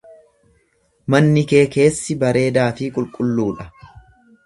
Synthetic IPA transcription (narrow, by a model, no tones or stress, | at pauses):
mɐnːɪke̞ːke̞ːsːɪbɐɾe̞ːd̪aːfɪkʼʊlkʼʊlːuːᶑɐ